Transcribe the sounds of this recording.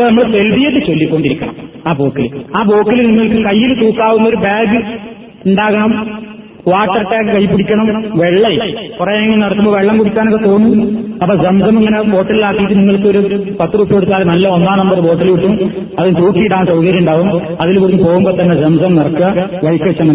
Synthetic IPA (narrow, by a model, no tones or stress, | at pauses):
ɐnɐmːɐɭt̪e̞lbijeʈ̪ːɨt͡ɕo̞lːikʲːo̞ɳɖiɾikʲːɐɳɐ̰maːbo̞ːkːɐlɨaːbo̞ːkːɐlɨniŋːɐɭkɨkɐjːilt̪uːkːaːʋunɐo̞ɾubaːɡɨ | uɳɖaːɣɐɳɐm | ʋaːʈːɐrʈaːkːɨkɐjpːiɽikʲːɐɳɐmʋe̞ɭːepurɐjeŋːɐnnɐɽɐkːumboːʋe̞ɭːɐmkuɽikʲːaːnokːet̪o̞ːnːuɐpːoːd͡ʑemsɐmeŋːɐnebo̞ːʈːɐlilaːk̪ːiːʈːɨniŋːɐɭkɨo̞ɾupɐt̪ːɨruːpːɐjeɽut̪ːaːlnɐlːɐo̞nːaːnɐmbɐrɨbo̞ːʈːɐlʋiʈːum | ɐðinɨt̪uːkːiːʈːaːsɐwɣɐɾjɐmuɳɖaːɣum | ɐðilkuɽiɲːupo̞ːɣumboːt̪ɐnːed͡ʑɐmsɐmnɐrɐkːuɣɐʋɐjkːɐt͡ɕːɐmːɐ